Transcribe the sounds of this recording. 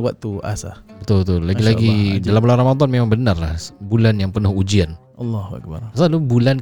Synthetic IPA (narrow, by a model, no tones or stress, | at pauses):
waʔ̚t̪uʔa̰sa̰bət̪ʊlbət̪ʊlːaɡilaɡidalambularamad̪ɔnmemaŋbənarlahbulanjaŋpənʊhud͡ʒian | ɑlːahua̰k̚ba̰asalubulan